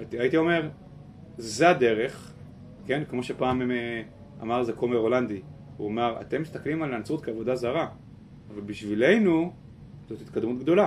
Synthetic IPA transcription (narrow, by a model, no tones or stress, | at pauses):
tiait̪io̞me̞ʁ | zead̪e̞ʁe̞χ | ke̞nkmo̞ʃe̞paːmm | a̰maʁzekomeʁo̞land̪i | ṵamaʁa̰t̪e̞mːist̪aklimalant͡sut̪keavo̞d̪azaʁaː | valbiʃvile̞jnu | zo̞t̪it̪kad̪mut̪̚ɡd̪o̞la